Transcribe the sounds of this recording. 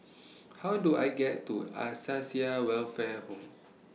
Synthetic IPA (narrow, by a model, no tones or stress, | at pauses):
hawdua̰jɡɛtːua̰sasiawɛlfɛhõm